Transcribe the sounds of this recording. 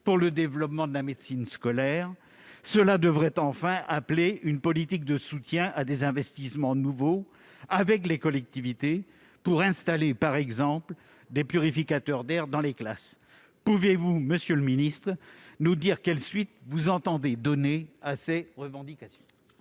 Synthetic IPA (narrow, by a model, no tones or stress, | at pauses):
puʁləd̪evlɔpmɑ̃d̪əlamed̪sinskɔlɛʁ | səlad̪əvʁɛt̪ɑ̃fɛ̃ʔapleynpɔlit̪ik̚d̪əsut̪jɛ̃ʔad̪ezɛ̃vɛst̪ismɑ̃nuvo | avɛk̬lekɔlɛk̚t̪ivit̪e | puʁɛ̃st̪alepaʁɛɡzɑ̃pl | d̪epyʁifikat̪œʁd̪ɛʁd̪ɑ̃leklas | puvjevuməsjøləminist̪χnud̪iʁkɛlsɥit̪vuzɑ̃t̪ɑ̃d̪ed̪ɔneaseʁəvɑ̃d̪ikasjɔ̃